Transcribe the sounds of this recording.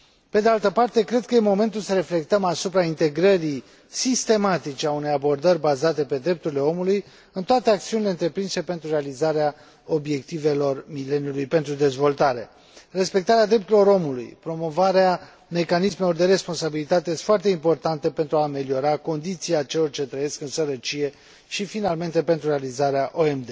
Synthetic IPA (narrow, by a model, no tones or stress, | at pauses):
pe̞d̪ealt̪əpart̪e̞kɾe̞d̪̚kəjemo̞me̞nt̪ulsəɾe̞fle̞k̚t̪əmasupɾaint̪e̞ɡɾəɾi | sist̪e̞mat̪it͡ʃeaune̞jabo̞rd̪əɾʲbazat̪e̞pe̞d̪ɾe̞p̚t̪uɾile̞o̞muluj | ɨnt̪oat̪e̞ak̚t̪siunileɨnt̪ɾe̞pɾinsepe̞nt̪ɾure̞alizaɾea | o̞bje̞k̚t̪ive̞lo̞rmile̞njulujpe̞nt̪ɾud̪e̞zvo̞lt̪aɾe | re̞spe̞k̚t̪aɾead̪ɾep̚t̪uɾilo̞ɾo̞mulṵjpɾo̞mo̞vaɾea | me̞kanisme̞lo̞rd̪e̞ɾe̞spo̞nsabilit̪at̪eest̪foart̪eimpo̞rt̪ant̪epe̞nt̪ɾuaːme̞lio̞ɾako̞nd̪it̪siat͡ʃe̞lo̞rt͡ʃe̞t̪ɾəje̞skɨnsəɾət͡ʃije̞ | ʃifinalme̞nt̪e̞pe̞nt̪ɾure̞alizaɾeaʔoemd̪e